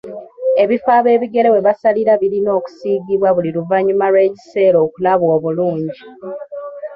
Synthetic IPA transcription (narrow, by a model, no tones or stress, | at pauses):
e̞βifaːβe̞ːβiɡe̞le̞we̞βasaliɾaβilino̞ːku̥siːɡiβwaβuliɾuvaɲumaɾwe̞ːci̥se̞ːɾo̞ːkulaβwoːβuluːɲɟi